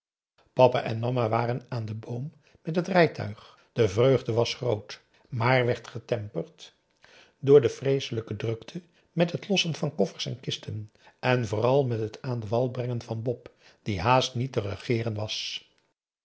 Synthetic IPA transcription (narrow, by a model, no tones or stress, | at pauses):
pɑpa̰ʔɛnmɑmaʋaːrənaːndəbowmː | ɛtɦətrɛjtʰœ̰ɥχ | d̥əvrøɥχdəʋɑsχrowt | maːɹʋɛɹtχətɛmpərt | dʊːɹdəfrejsələkədrɵktʰə | mɛtɦətlɔsənvɑnkɔfəɹsɛ̰nkɪstʰən | ɛnvʊːrɑlˠmɛtɦətʰaːndəvɑlˠbrɛŋənvɑnbɔp | d̥iɦaːstnitərəχɪːrənʋɑs